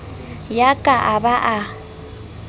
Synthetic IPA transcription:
jakʼaʔabaʔa

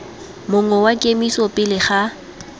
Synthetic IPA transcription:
mʊŋwɛwakʼemisɔpʼɪlɪχa

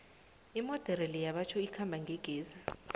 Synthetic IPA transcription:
imɔd̥ʱɛɾɛlijaɓat͡ʃʰɔikʰambʱaŋɡʱeɡ̥ʱiːza

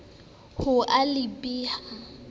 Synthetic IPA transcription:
hʊʔalɪpʼiːha

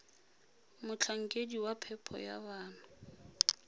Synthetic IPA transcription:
mʊt͡ɬʰaŋ̩kʼediwapʰɛpʰɔ̰ja̰baːna

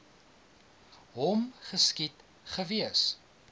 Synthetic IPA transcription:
ɦɔmχəskit | χəviəs

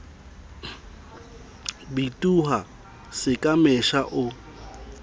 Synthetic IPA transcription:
bitʼuɦa | sɪkʼamɛʃaʔʊ

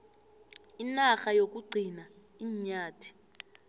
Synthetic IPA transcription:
inaxajok̬uɡ͡ǀʱina | iːɲaːtʰi̥

